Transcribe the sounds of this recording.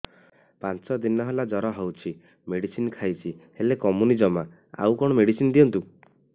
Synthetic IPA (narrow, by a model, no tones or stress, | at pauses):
pant͡ʃɔd̪inɔɦelad͡ʒɔɾɔɦewt͡ʃʰi | meɽisinɔkʰajt͡ʃʰihelekɔmunid͡ʒɔma | a̰wkɔɽ̃ɔmeɽisind̪iɔnt̪u